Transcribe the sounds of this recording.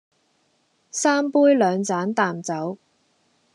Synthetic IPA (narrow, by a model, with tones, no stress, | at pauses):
saː˥mpuː˥jlœː˨˧ŋt͡saː˨˥nt̪aː˨mt͡sɐ˨˥w